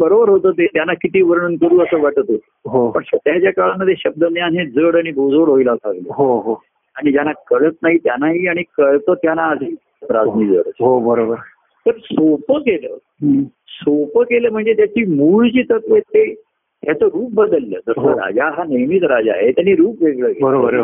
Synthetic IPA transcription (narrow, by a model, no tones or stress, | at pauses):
bəɾobəɾɦot̪əːt̪et̪janːakit̪iːʋəɾɳ̃uːnkəɾuːəsəːʋaʈət̪o | ɦopəɳsət̪jat͡ɕjakaɭaməd̪ʱːjeɕəb̚d̪ənjaɦẽd͡zəɽaɽ̃ibʱod͡zoɽɦojlasaɡləɦoɦo | aɽ̃id͡ʑanakəɭət̪̚naɦiːt̪janaɦiːaɽ̃ikəɭt̪ət̪janaəsiː | pɾa̰d͡zniːd͡zə̰ɽəɦobəɾobəɾ | t̪əɾsopəkelə̰ː | sopəkeləːm̤əɳd͡zet̪jat͡ɕiːmuɭt͡ɕiːt̪əkʋet̪e | ɦat̪oɾuːp̚bəd̪əlːə̰ːd͡z̪əɾsɦəɾa̰d͡ʑaɦanəjmit̪ɾad͡ʑa̰ɦet̪janːiɾuːpʋeɡɭəːkebəɾoəɾ